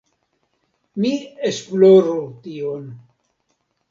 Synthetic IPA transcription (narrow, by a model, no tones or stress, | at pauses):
miesploɾot̪ion